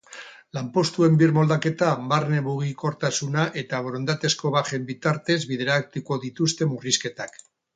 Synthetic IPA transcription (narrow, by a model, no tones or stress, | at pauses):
lampo̞st̪ue̞mbiɾmo̞ld̪ake̞t̪amaɾne̞βuɣiko̞ɾt̪asunaʔe̞t̪aβoɾond̪at̪e̞sko̞βaxe̞mbit̪aɾt̪e̞zβið̞eɾak̚t̪uko̞ðit̪ust̪e̞muriske̞t̪ak